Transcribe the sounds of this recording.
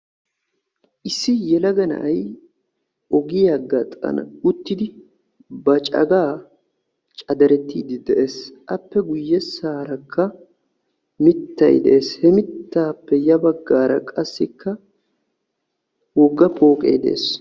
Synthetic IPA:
ʔɪsːɪjɛlɐɡɐnɐ̰ʔɐj | ɔɡɪjɐɡːɐt̪ʼɐ̰nɐ̰ʊt̪ːɪd̪ɪ | bɐt͡ʃʼɐ̰ɡaː | t͡ʃʼɐd̪ɐɾɛt̪ːiːd̪ɪd̪ɛʔe̞ːsʔɐpːɛɡʊjːɛsaːɾɐkʰːɐ | mɪt̪ːɐ̰jd̪ɛʔeːshɛmɪt̪ːaːpːɛjɐbɐɡːaːɾɐ̰kʼɐsːɪkːɐ | wɔɡːɐpʼo̞ːkʼḛjd̪ɛ̰ḛːs

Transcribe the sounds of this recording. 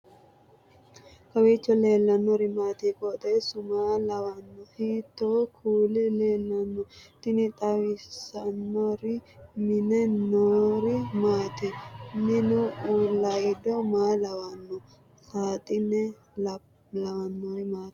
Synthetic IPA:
kɐweːt͡ʃːɔle̞ːlːɐnːɔɾɪmaːt̪iːkot̪ʼɛsʊmaːlɐwɐnːɔhit̪ːoːkʰuːlɪleːlːɐnːɔt̪ɪnɪt̪ʼɐwɪsɐnːɔɾɪmɪnɛnːoːɾɪmaːt̪ɪnɪnʊulɐjɪd̪ɔmaːlɐwɐnːɔ | saːt̪ʼɪnːɛ | lɐwɐnːɔɾɪmaːt̪

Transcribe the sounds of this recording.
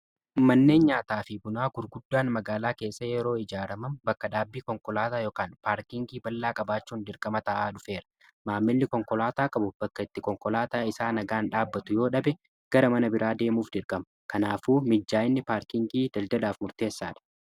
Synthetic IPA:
mɐnːe̞ːnɲaːt̪aːfɪbʊnaːɡʊɾɡʊd̪ːaːnmɐɡaːlaːke̞ːsːɐjɛɾo̞ːɪd͡ʒaːɾɐmɐmbɐkːɐᶑaːbːiːkɔŋkʼɔlaːt̪aːjoːkaːnpaːɾkɪŋɡiːbɐlːaːkʼɐbaːt͡ʃːuːnd̪ɪɾkʼɐmɐt̪ɐʔaːᶑʊfe̞ːɾɐ̥ | maːmːɪlːɪkɔŋkɔlaːt̪aːkʼɐbʊb̥ɐkːɐɪt̪ːɪkɔŋkʼɔlaːt̪aːɪsaːnɐɡaːnᶑaːbːɐt̪ʊjo̞ːᶑɐbɛ | ɡ̥ɐɾɐmɐnɐbɪɾʔaːd̪e̞ːmuːfd̪ɪɾkʼɐmɐkɐnaːfuːmɪd͡ʒːaːjɪnːɪpaːɾkɪŋɡiːd̪̥ɐld̪ɐd̪aːfmʊɾt̪e̞ːsːa̰ːᶑɐ̥

